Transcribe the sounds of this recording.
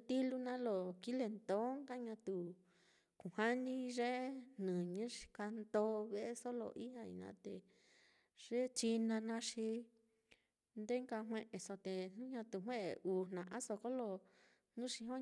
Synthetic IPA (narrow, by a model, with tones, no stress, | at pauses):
t̪i˦lu˦nã˦lo˨ki˦le˧nt̪õ˨˦ŋka˦ɲã˧t̪u˨ | kũ˨ha˦nĩ˦ʐe˦n̥ɨ̃˨ɲɨ̃˦ʂi̥˧ka˧nd̪o˦βe˦ʔe˦so˦lo̰˧˨ʔi˦hã˧ḭ˧˨nã̰ː˧˦t̪e˧˨ | ʐ̥e˦t͡ʃi˧nã˧nã˧ʂi˧ | nd̪e˦ŋka˧ɦw̃ẽ˧ʔe˨so˧t̪e˨nũ˦ɲã˧t̪u˧˨ɦwẽ˦ʔḛ˨˧ʔuː˨nnã˨ʔã˦so˧ko˦lo˧ | n̥ũ˦ʂi˧ɦõ˦